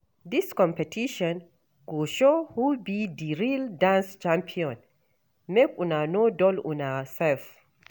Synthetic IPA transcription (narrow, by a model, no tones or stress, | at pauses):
d̪iskɔ̃mpɛtʰiʃɔ̃n | ɡ̥oʃohubidiɹildãnst͡ʃãmpʰiɔ̃n | mekunanodɔlṵ̃nasɛlf